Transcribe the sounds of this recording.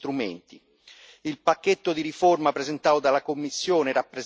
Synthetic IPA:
t̪ɾument̪i | ilpakːet̪ːod̪iɾiformapɾezent̪aːod̪alakomːisːjoːneɾapːɾe

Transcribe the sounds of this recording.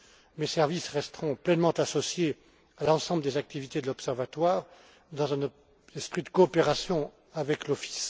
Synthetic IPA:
mesɛʁvisʁɛst̪ʁɔ̃plɛnmɑ̃t̪asɔsje | alɑ̃sɑ̃bləd̪ezak̚t̪ivit̪ed̪əlɔpsɛʁvat̪waʁ | d̪ɑ̃zɛ̃n | ɛspχid̪əkɔːpeʁasjɔ̃ | avɛklɔfi̥s

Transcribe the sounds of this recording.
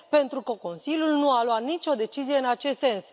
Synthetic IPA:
pe̞nt̪ɾukəko̞nsilʲjulnualwat̪nit͡ʃʲo̞d̪e̞t͡ʃizijeɨnat͡ʃe̞st̪se̞ns

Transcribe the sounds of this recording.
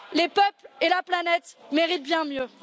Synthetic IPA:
lepœplelaplanɛt̪meʁit̪̚bjɛ̃mjø

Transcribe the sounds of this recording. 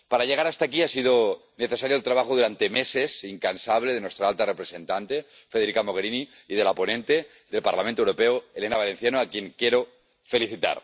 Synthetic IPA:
paɾaʝe̞ɣ̞aɾast̪akiasiðo | ne̞θe̞saɾjoelt̪ɾaβaxoðuɾant̪e̞mese̞siŋkansaβle̞ðenwet̪ɾaalt̪arepɾe̞se̞nt̪ant̪e̞ | feðe̞ɾikamo̞ɣe̞ɾiniː | ðe̞lapo̞nẽnt̪e̞ | ðe̞lpa̰ɾlamẽnt̪owɾo̞peoelenaβale̞n̟θjanoakje̞ŋkje̞ɾo | fe̞liθit̪a̰ɾ

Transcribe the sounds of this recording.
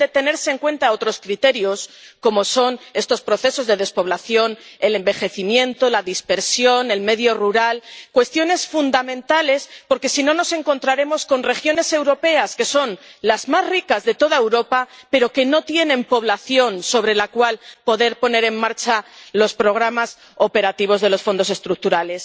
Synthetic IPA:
e̞t̪e̞ne̞ɾseŋkwe̞nt̪ao̞t̪ɾo̞skɾit̪e̞ɾjo̞sko̞mo̞so̞ne̞st̪o̞spɾo̞θe̞so̞zðe̞ðe̞spo̞β̞laθjo̞ne̞le̞mbe̞xe̞θimjẽ̞nt̪o̞laðispe̞ɾsjo̞ne̞lme̞ðjo̞ruɾalkwe̞st̪jo̞ne̞sfund̪amẽ̞nt̪ale̞spo̞ɾke̞sino̞no̞se̞ŋko̞nt̪ɾaɾe̞mo̞sko̞nre̞xjo̞ne̞se̞wɾo̞pe̞aske̞so̞nlazmazrikazðe̞t̪o̞ðaewɾo̞pape̞ɾo̞ke̞no̞t̪je̞nẽ̞mpo̞β̞laθjo̞nso̞βɾe̞lakwalpo̞ðe̞ɾpo̞ne̞ɾemmaɾt͡ʃalo̞spɾo̞ɣ̞ɾamas | o̞pe̞ɾat̪iβ̞o̞zðe̞lo̞sfo̞nd̪o̞se̞st̪ɾuk̚t̪uɾale̞s

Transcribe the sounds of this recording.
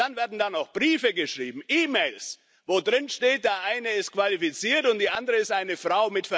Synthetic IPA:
d̥anveːɐdn̩danaʊxb̥ʁiːfəɡəʃʁiːbm̩ʔiːmeɪls | voːdʁɪnʃteːt̚d̥eːɐɐʔaɪnəɪstkv̥alifit͡siːɐtʊntd̥iːʔandəʁəɪstʔaɪnəfʁ̥aʊmɪtfɛɐ

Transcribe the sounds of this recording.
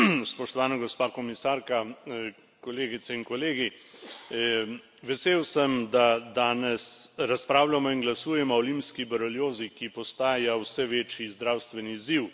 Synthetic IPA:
spɔʃt̪ɔʋaːnaɡɔspaːkɔmisaːɾka | kɔleːɡit̪sɛinkɔleːɡi | ʋɛseːwsɛmd̪ad̪aːnɛsɾaspɾaːwlamɔiŋɡlasuːjɛmɔɔlimpskibɛɾɔljoːzikipɔst̪aːjawsɛʋeːt͡ʃjizd̪ɾawst̪ʋɛniːziw

